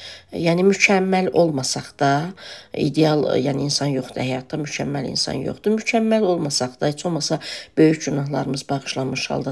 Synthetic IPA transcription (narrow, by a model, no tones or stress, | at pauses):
jæːnimycʰæmːælo̞lˠmɑsɑχd̪̥ɑḭd̪eɑlˠjæːniinsɑnjo̞χd̪uhæjɑt̪̚ʰːɑmycʰæmːælḭnsɑ̰njo̰χd̪umycʰæmːælo̞lˠmɑsɑχd̪ɑet͡ʃʰo̞lˠmɑsɑb̥ø̞jyçɟynɑɦlˠɑɾɯmɯzbɑχɯ̥ʃlˠɑnmɯʃhɑ̰lˠd̪ɑ